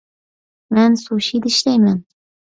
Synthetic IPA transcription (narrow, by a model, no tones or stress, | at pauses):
mænsuʃid̪ɪʃlæjman